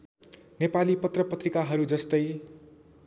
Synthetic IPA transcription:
nepalipʌt̪rʌpʌt̪rikaɦʌɾud͡zʌst̪ʌj

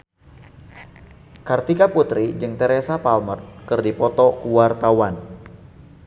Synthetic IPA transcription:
kart̪ikaput̪ɾid͡ʒɨŋt̪ɛɾesapalmərkɨrdipɔt̪ɔkuwart̪awan

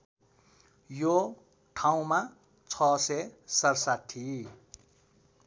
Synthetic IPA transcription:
jo | ʈʰaw̃ma | t͡sʰʌsesʌrsat̪ʰːi

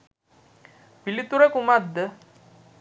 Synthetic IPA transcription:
pilit̪uɾekumad̪ə

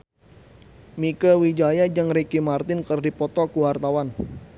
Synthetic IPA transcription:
mikəwid͡ʒajad͡ʒəŋɾekimart̪ɪnkərdipɔt̪ɔkuwart̪awan

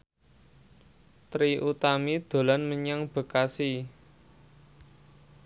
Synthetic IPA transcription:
t̪ɾiʔut̪amid̪̥o̤lanməɲaŋb̥ə̤kasi

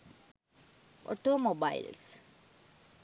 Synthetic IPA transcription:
ʔo̰ʈoːmobaḭls

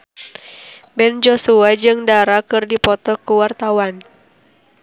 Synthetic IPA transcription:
bɛnd͡ʒɔsuad͡ʒɨŋdaɾakɨrdipɔt̪ɔkuwart̪awan

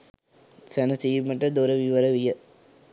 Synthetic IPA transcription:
sænət̪iːməʈəd̪oɾəʋiʋəɾəʋijə

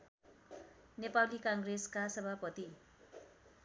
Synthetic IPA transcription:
nepalikãŋɡreskasʌbʱapʌt̪i

